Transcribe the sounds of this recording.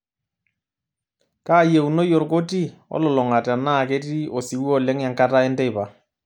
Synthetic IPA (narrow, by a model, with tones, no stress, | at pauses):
ka˦je˨u˨no˦jɔ˨ɾko˦ti˦ɔ̰˦lɔ˨lɔ˨ŋa˨tɛ˨na˦˨ke˦ti˦o˨si˨˦wɔ˦lɛ˦ŋja˨ŋka˦ta˦ɛ˦ndɛ˦˨pa˨